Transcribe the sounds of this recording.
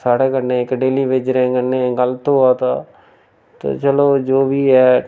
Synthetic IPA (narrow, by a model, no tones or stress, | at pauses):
saːɽeːkəneːɪkɖeːliːʋed͡ʒɾẽːɡənːẽːɡəlt̪oːaːt̪aː | t̪o̰t͡ʃəloːd͡ʒoːbiːɛː